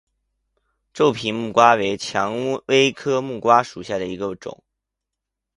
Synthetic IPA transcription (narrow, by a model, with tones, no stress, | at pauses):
ʈ͡ʂo˥˩ʊpʰi˧˥nmu˥˩kwa˥we˧˥ɪt͡ɕʰjɑ˧˥ŋ˥we˥ɪkʰɤ˥mu˥˩kwa˥ʂu˨˩ɕja˥˩d̪ə˩i˧˥ɡə˧ʈ͡ʂʊ̰˨˩˦ŋ